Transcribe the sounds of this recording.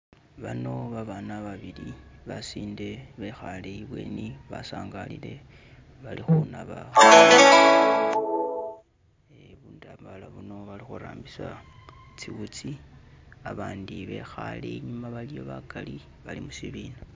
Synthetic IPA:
βano̞βaβanaβaβiliβasiːnde̞βe̞xaleiβwe̞̰niβasaːŋɡalile̞ | βalixunaβa | eβuːndambalaβuno̞βalixuɾaːmbisa | t͡siwut͡si | aβaːndiβe̞xale̞iɲumaβalijo̞βakali | βalimusiβiːna

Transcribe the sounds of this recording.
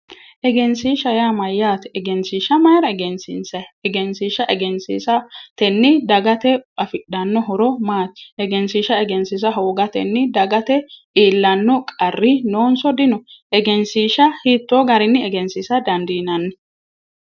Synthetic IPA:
ʔɛɡɛnsiːʃɐjaːmɐjːaːt̪ɛɛɡɛnsiːʃɐmɐjɾɐɛɡɛnsɪ̰nsɐɛɡɛnsiːʃɐʔɛɡɛnsḭːsɐt̪ɛnːɪd̪ɐɡɐt̪ɛɐfɪɗɐnːɔɦɔɾɔmaːt̪ʔɛɡɛnsiːʃɐɛɡɛnsis̬ɐɦoːɡɐt̪ɛ̰nːɪd̪ɐɡɐt̪ɛʔiːlːɐnːɔkʼɐrːɪnoːnsɔd̪ɪnɔʔɛɡɛnsiːʃɐhiːt̪ːoɡɐɾɪnːɪɛɡɛnsisɐd̪ɐnd̪iːnɐnːɪ

